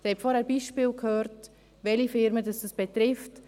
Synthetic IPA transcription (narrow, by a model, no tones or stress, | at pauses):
d̥ɛɾhɛpfɔɾhɛːɾb̥iːʃpiːlkʰhøːɾt | vɛlifɪɾmədɑsd̥ɑsb̥etɾɪft